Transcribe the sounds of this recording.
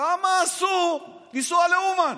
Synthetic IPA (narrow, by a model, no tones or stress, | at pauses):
amasuliswaleuma